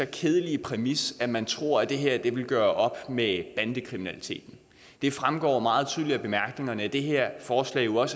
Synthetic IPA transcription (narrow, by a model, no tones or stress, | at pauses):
ɒkʰeð̞ˠəlipʰʁɛmisæmænt͡sʰʁo̝ɐ̰æd̥e̝ɦeɐ̰d̥e̝ʋe̝lɡ̥ɶːɐʔɒ̽b̥meb̥ænd̥əkʰʁiminælit͡sʰe̝̰ːd̥n̩ | d̥e̝fʁamɡ̥ɒ̰ːmɑ̈ːð̞̩ˠt͡sʰyðˠliɐb̥e̝mæɐɡ̥ne̝ŋɐnəæd̥e̝ɦeɐ̰fɒːslɛ̰ːɪjo̝ɒ̽s